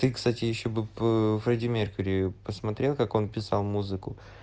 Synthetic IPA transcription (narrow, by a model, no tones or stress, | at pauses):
t̪ɨkst̪atʲɪjɪɕːobɨvlˠɐdʲɪmʲerkʊɾʲɪʊpəsmɐt̪ɾʲe̞lˠkako̞npʲɪsalˠmuzɨkʊ